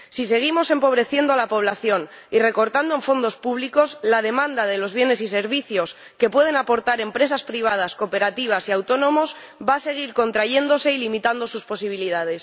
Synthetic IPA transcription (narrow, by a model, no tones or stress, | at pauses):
sise̞ɣ̞imo̞se̞mpo̞β̞ɾe̞θje̞nd̪oalapo̞β̞laθjo̞n | ire̞ko̞ɾt̪and̪oeɱfo̞nd̪o̞spuβ̞liko̞slaðe̞mãnd̪aðe̞lo̞zβje̞ne̞sise̞ɾβiθjo̞s | ke̞pwe̞ð̞e̞napo̞ɾt̪aɾe̞mpɾe̞saspɾiβ̞að̞asko̞pe̞ɾat̪iβ̞asiawt̪o̞nõ̞mo̞z | βaːse̞ɣ̞iɾko̞nt̪ɾaʝe̞nd̪o̞se̞ilimit̪and̪o̞suspo̞siβ̞iliðað̞e̞s